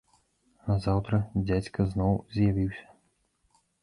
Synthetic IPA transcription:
azawt̪ɾɐd͡zʲat͡sʲkɐznɔwzʲjavʲiwsʲɐ̥

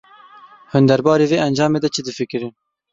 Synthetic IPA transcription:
hʊnd̪ɛɾbɑːɾeːveːʔɛnd͡ʒɑːmeːd̪ɛt͡ʃʰɨd̪ɨfɨkɨɾɨn

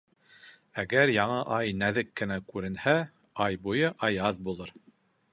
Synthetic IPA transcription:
æɡæɾjɑɴɤʔɑjnæðɘkːɘ̆nækʉɾɘ̆nhæ | ɑjbujɤʔɑjɑðbulˠɤɾ

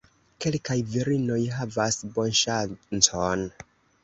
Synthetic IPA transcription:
ke̞lkajviɾino̞jɦavasbo̞nʃant͡son

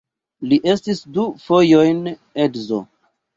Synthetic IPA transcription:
liʔe̞stisdufo̞jo̞jnedzo̰

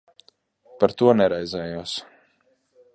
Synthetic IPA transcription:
paɾt̪uɔnɛɾɛjzɛːjuɔs

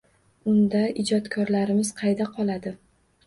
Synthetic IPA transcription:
ʊnd̪aɪd͡ʒɒt̪kʰɒɾlaɾɪmɪz̥qʰɑjd̪aqʰɒlˠad̪ɪ

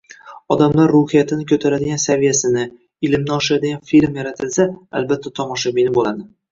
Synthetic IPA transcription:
ɒd̪amlaɾːʊhijat̪ʰɪnɪkʲʰɵt̪ʰaɾad̪ɪɡʲansavijasɪnɪ | ɪlɪmnɪɒʃad̪ɪɡʲanfilmjaɾat̪ʰɪlsaa̰lbat̪ʰːat̪ʰɒmɒʃabinɪbolad̪ɪ

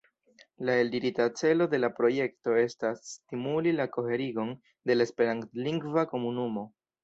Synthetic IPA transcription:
lae̞ldiɾitat͡se̞lo̞de̞lapɾo̞je̞kto̞e̞stasːtimulilako̞he̞ɾiɡo̞n | de̞laespe̞ɾantliŋɡvako̞munumo̞

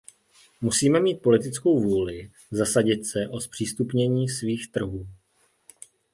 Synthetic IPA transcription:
musiːmɛmiːt̪̚po̞lɪt̪ɪt͡sko̞wvuːlɪ | zasaɟɪt̪sɛʔo̞spr̥iːst̪upɲɛɲiːsviːxt̪r̩ɦuː

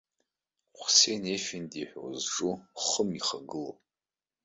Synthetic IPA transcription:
χʷsejnefindiħʷᶣo̰zʈ͡ʂʼuχəmiχaɡɨlo

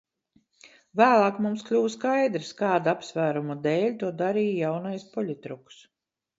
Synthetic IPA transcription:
væːlˠɑːkmumsklʲuːskajd̪ɾskaːd̪apsvæːɾumud̪eːlʲt̪uɔd̪aɾiːjjawnajspɔlʲit̪ɾuks

